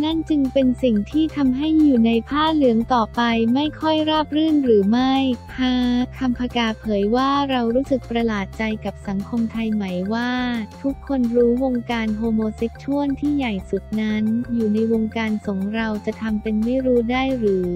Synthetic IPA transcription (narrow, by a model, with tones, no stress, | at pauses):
na˥˩nt͡ɕɯ˧ŋpe˧nsi˨˩ŋt̪ʰiː˥˩t̪ʰa˧mɦa˥˩jːuː˨˩na˧jpʰaː˥˩lɯ˩˦əŋt̪ɔː˨˩pa˧jma˥˩jkʰɔ˥˩jɾaː˥˩p̚ɾɯː˥˩nɾɯː˩˦ma˥˩jpʰaː˧˥kʰa˧mpʰa˧kaː˧pʰɤː˩˦jwaː˥˩ɾa˧wɾuː˦˥sɯ˨˩k̚pɾa˧laː˨˩t̪̚t͡ɕa˧jka˨˩p̚sa˩˦ŋkʰo˧mt̪ʰa˧jma˩˦jwaː˥˩t̪ʰu˦˥kʰːo˧nɾuː˦˥wo˧ŋkaː˧nɦoː˧moː˧se˦˥t̚t͡ɕʰu˥˩ənt̪ʰiː˥˩ja˨˩jsu˨˩k̚na˦˥njuː˨˩na˧jwo˧ŋkaː˧nso˩˦ŋɾa˧wt͡ɕa˨˩t̪ʰa˧mpe˧nma˥˩jɾuː˦˥daː˥˩jɾɯː˩˦